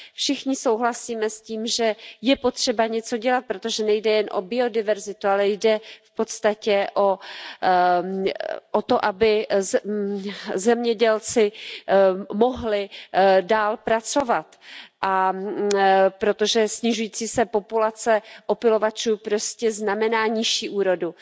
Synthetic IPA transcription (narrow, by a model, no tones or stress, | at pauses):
fʃɪxɲɪso̞wɦlasiːmɛsciːmʒɛjɛpo̞t̪r̝̥ɛbaɲɛt͡so̞ɟɛlat̪̚pɾot̪o̞ʒɛnɛjdɛjɛnʔo̰bɪo̞dɪvɛɾzɪt̪ualɛjdɛfpo̞t̪st̪acɛʔo | ʔot̪o̞ʔabɪ | zɛmɲɛɟɛlt͡sɪ | mo̞ɦlɪdaːlpɾat͡so̞vat̪ʔa | pɾo̞t̪o̞ʒɛsɲɪʒujiːt͡siːsɛpo̞pulat͡sɛʔo̞pɪlo̞vat͡ʃuːpɾo̞scɛznamɛnaːɲɪʃiːʔuːɾo̞du